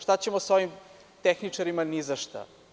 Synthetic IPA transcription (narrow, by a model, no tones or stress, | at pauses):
ʃt̪at͡ɕemosoʋim | t̪exnit͡ʂaɾimanizaʃt̪a̰